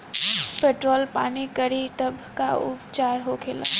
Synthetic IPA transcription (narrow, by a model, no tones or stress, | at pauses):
peːʈɾoːlpa̰ːnikəɽiʈ̪ɐbʱkaʊpt͡ʃaːɾɦokʰeːla̰ː